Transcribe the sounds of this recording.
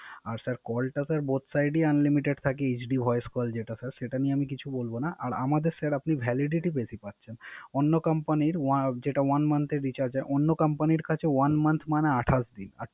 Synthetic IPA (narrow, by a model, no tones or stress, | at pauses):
aɾsaɾkɔlʈasaɾbot̪sajɖianlimiʈeɖt̪ʰakeed͡ʑɖibʱɔeskɔld͡ʑeʈasaɾʃeʈanieamikit͡ɕʰubolbonaʔaɾa̰mad̪eɾsaɾapnibʱɛliɖiʈipet̪ʰipatːɕʰʃʰenonːokampaniɾwad͡ʑeʈawanmant̪ʰeɾɖit͡ɕaɾd͡ʑaʔonːokampaniɾkat͡ɕʰewanmant̪ʰmaneaʈʰasd̪ina̰ɾ